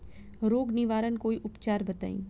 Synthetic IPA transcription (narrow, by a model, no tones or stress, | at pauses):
ɾoːɡnɪʋaːɾənkoːiʔʊpt͡ʃaːɾbɐt̪a̰ːḭ̃ː